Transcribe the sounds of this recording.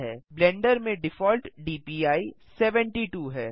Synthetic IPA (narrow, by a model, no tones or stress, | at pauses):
ɦɛːblɛ̃ːɳɖəɾmẽɖɪfɔːlʈɖiːpiːaːisɛːʋɛ̃ɳʈiʈuːɦɛː